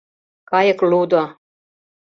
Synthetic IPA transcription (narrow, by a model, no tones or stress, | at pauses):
kɑjɤ̆klud̪o